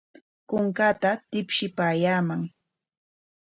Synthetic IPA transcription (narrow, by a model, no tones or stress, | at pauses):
kʊŋkat̪at̪ɪpʃɪpaːjaːmaŋ